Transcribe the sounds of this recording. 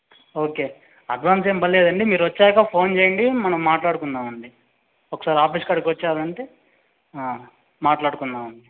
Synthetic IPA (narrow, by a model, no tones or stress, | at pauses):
o̞ːke̞ː | ɐɖʋaːnseːmbɐlleːd̪ɐɳɖimiːɾuʋɐt͡ʃːɛːkɐpʰo̞ːnt͡ʃeːjɐɳɖimɐnɐmːaːʈlaːɽukund̪aːmɐɳɖi | ɔkːɐ̥saːɾiaːpiːskaːɖikʋɐt͡ʃːaːd̪ɐɳʈeː | maːʈlaːɽukund̪aːmɐɳɖi